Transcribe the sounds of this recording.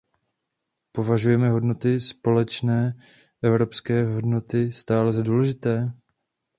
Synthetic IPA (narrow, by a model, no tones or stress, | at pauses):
po̞vaʒujɛmɛɦo̞dno̞t̪ɪspo̞lɛt͡ʃnɛː | ʔɛvɾo̞pskɛːɦo̞dno̞t̪ɪst̪aːlɛzaduːlɛʒɪt̪ɛː